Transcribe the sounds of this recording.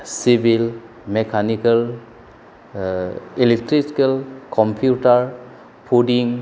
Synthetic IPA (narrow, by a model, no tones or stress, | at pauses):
sibʱil | mekʰanikɐl | ilek̚tɾiskelkɔmpʰjutaɾ | pʰudiŋ